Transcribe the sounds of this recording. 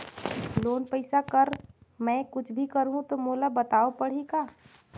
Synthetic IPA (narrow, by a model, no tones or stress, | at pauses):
loːnpəɪsakəɾmɛ̃kʊt͡ʃʰbʱikəɾɦũt̪omoːlabət̪aːopəɽ̤ikaː